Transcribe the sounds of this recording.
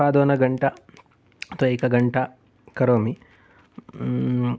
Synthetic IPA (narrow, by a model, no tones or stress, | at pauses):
aːd̪oːnɐɡɐɳʈɐ | t̪oejkɐɡɐɳʈɐ | kɐɾoːmi